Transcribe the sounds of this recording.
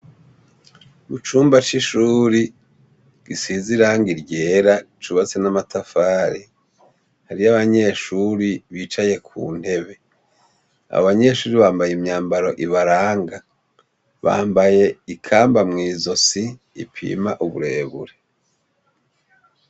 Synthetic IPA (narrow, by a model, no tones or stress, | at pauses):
mut͡ʃuːmbat͡ʃiʃuːɾi | ɡ̥isiziɾaŋɡiɾɟeːɾa | t͡ʃuβat͡senamatʰafaːɾi | haɾiaβaɲe̞ːʃuɾiβiːt͡ʃaje̞kʰṵːn̥he̞βe̞ | a̰aβaɲe̞ʃuːɾiβaːmbajemɲaːmbaɾo̞ʔiβaɾaːŋɡa | βa̰ːmbaje̞ikʰaːmbamŋiːzo̞sḭː | pʰḭːmaʔuβṵɾe̞ːβṵɾe